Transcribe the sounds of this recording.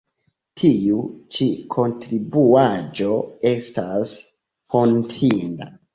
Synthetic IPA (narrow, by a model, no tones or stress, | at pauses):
tʰiut͡ʃikʰo̞ntɾibuad͡ʒo̞e̞stas | fontʰinda̰